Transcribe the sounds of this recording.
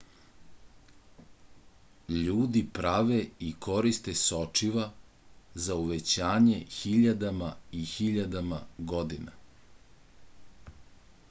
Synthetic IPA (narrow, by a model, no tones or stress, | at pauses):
ʎuːd̪ipɾaʋeiko̞ɾist̪esot͡ʃiʋa | zauʋet͡ɕaːɲexiʎad̪amaixiʎad̪amaɡo̞d̪ina